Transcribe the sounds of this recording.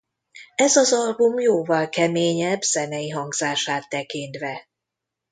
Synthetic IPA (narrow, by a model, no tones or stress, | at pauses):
ɛzɒzɒlbumjoːvɒlkɛmeːɲɛbːz̥ɛnɛjiɦɒŋɡz̥aːʃaːt̪ːɛkint̪ʋɛ